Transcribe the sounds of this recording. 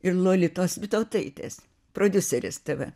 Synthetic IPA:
ɪrlˠoːlʲɪt̪oːsʋʲɪt̪oːt̪ɐɪt̪ʲḛːs | proːd̪ʲʊsʲɛɾʲɪst̪ɐʋɐ

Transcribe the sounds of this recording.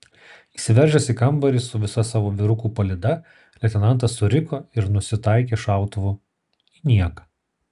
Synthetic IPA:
iːsʲɪʋʲɛɾʲʒʲɛsʲikɐmˑbɐɾʲɪsʊʋʲɪsɐsɑːʋoːʋʲɪɾʊkuːpɐlʲɪd̪ɐ | lʲɛt̪ʲɛnɐnt̪ɐsʊɾʲɪkoːɪɾnʊsʲɪt̪ɐˑɪkʲeːʃɑˑʊt̪ʊʋʊ | inʲiɛkɐ̥

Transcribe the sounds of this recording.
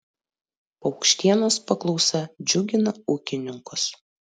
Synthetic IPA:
pɐʊkʃʲt̪ʲiɛnoːspɐklˠɔʊsɐd͡ʒʲʊɡʲɪnɐuːkʲɪnʲɪŋkʊs

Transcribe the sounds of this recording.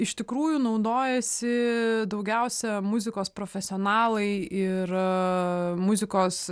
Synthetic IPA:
ɪʃt̪ʲɪkɾuːjunɐʊd̪oːjɛsʲɪd̪ɐʊɡʲɛʊsʲɛmʊzʲɪkoːspɾoːfʲɛsʲɪɔːnɑːlˠɐɪɪɾ | mʊzʲɪkoːs

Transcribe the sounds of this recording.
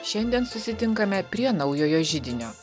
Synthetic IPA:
ʃʲɛnʲd̪ʲiɛnsʊsʲɪt̪ʲɪŋkɐmʲɛpʲɾʲiɛnɐɒʊjoːjoːʒʲɪd̪ʲɪnʲoː

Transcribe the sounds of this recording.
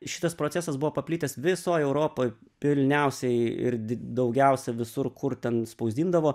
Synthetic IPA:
ʃʲɪ̥t̪ɐspɾoːtt͡sʲæːsɐsbʊʋoːpɐpʲlʲiːt̪ʲɛsʋʲɪsoːjɛʊɾoːpoːjpʲɪlʲnʲɛʊsʲɛɪɪ̰ɾd̪ʲd̪ɐʊɡʲɛʊsʲɛʋʲɪsʊrkʰʊɾt̪ʲɛnspɐʊzʲd̪ʲiːnd̪ɐʋoː

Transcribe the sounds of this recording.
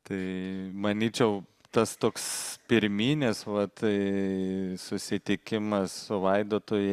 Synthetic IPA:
t̪ɐɪmɐnʲiːt͡ʃʲɛʊ | t̪ɐst̪oːkspʲɪɾʲmʲiːnʲɪsʋɐt̪ | sʊsʲɪt̪ʲɪkʲɪmɐssʊʋɐɪd̪oːt̪oːjɛ

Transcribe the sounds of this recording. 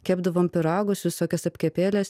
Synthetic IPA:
kʲæːbd̪ɐʋoːmpʲɪɾɑːɡʊsʋʲɪsoːkʲɛsɐpʲkʲɛpʲeːlʲɛs

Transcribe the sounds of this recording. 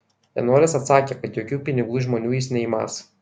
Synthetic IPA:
j̪ɛ̰noːɾʲɪsɐt̪sɑːkʲeːkɐt̪joːkʲuːpʲɪnʲɪɡuːʒmɔnʲuːjɪsnʲɛiːmɑ̰s

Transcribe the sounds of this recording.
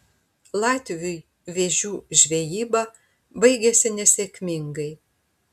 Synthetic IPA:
lˠɑːt̪ʲʋʲʊj | ʋʲeʒʲuːʒʲʋʲejiːbɑ | bɐɪɡʲɛsʲɪnʲɛsʲekʲmʲɪŋɡɐɪ

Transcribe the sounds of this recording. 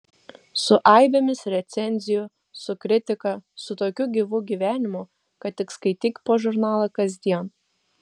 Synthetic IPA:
sʊʔɑɪbʲemʲɪsɾʲɛt̪sʲɛnʲzʲɪjʊ | sʊkɾʲɪt̪ʲɪkɐsʊt̪oːkʲʊɡʲiːʋʊɡʲiːʋʲæːnʲɪmʊ | kɐt̪ʲɪkskɐɪt̪ʲikʲpoːʒʊɾnɑːlˠɐkɐzʲd̪ʲiɛn

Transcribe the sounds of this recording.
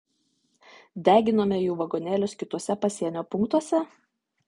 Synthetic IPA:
d̪ʲæːɡʲɪnoːmʲɛjuːʋɐɡoːnʲeːlʲʊskʲɪt̪uɔsʲɛpɐsʲiɛnʲoːpʊŋkt̪uɔsʲɛ

